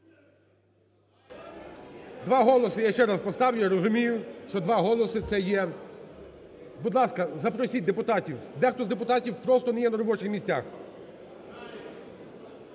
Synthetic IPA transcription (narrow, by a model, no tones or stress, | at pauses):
d̪ʋɑɦɔlˠɔsɪjaʃt͡ʃɛɾɑspɔst̪ɑwjʊjiɾɔzʊmʲijʊʃt͡ʃɔd̪ʋɑɦɔlˠɔsɪt̪sɛjɛ | bʊd̪lˠɑskɐzɐpɾɔsʲit̚ʲd̪epʊt̪ɑtʲiwd̪ɛxt̪ɔzd̪epʊt̪ɑtʲiwpɾɔst̪ɔnɛjɛnɐɾɔbɔt͡ʃɪxmʲisʲtʲax